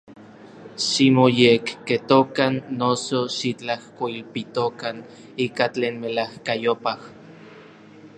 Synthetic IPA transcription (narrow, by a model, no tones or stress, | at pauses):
ʃimojekːet̪okanːosoʃit͡ɬahkoilpit̪okan | iːkat͡ɬeːnmelahkajopah